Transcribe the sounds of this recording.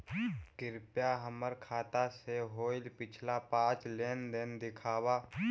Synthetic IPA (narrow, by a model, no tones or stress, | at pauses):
kɪɾpjaɦəməɾkʰaːt̪aseɦoːɪlpɪt͡ʃʰlapãːt͡ʃleːnd̪ɪnd̪ɪkʰaːwaː